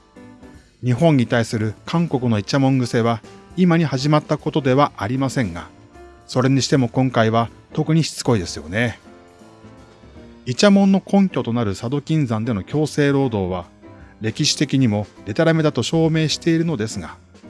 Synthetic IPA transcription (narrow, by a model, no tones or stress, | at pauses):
ɲ̟iɦõ̞ɲ̟ːit̪aisɨɾɯ̟kʰãŋko̞kɯ̟no̞it͡ɕamõ̞ŋɡɯ̟se̞βaimaɲ̟ihaʑimat̪ːako̞t̪o̞d̪e̞βaʔaɾʲimasẽ̞ŋɡa̰ | so̞ɾe̞ɲ̟iɕi̥t̪e̞mo̞kõ̞ŋkaiβa | t̪o̞kɯ̟ɲ̟içi̥t͡sɨ̥ko̞id̪e̞sɨjo̞̰ne̞ | it͡ɕamõ̞nːo̞kõ̞ŋkʲo̞t̪o̞naɾɯ̟sad̪o̞kʲĩnd͡zãnd̪e̞no̞kʲo̞ːse̞ːɾo̞ːd̪o̞ːβ̞a | ɾe̞kʲiɕi̥t̪e̞kʲiɲ̟imo̞d̪̥e̞t̪aɾame̞t̪at̪o̞ɕo̞ːme̞ːɕi̥t̪e̞iɾɯ̟no̞d̪e̞sɨɡa